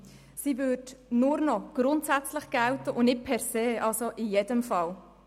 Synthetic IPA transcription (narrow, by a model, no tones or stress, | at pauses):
sivʏdnʊɾnɔɡ̥ɾʊnt̪sæt͡sləχɡ̥æwtəʔʊnɪt̚pʰɛɾseːʔɑlsoʔɪjedəmfɑl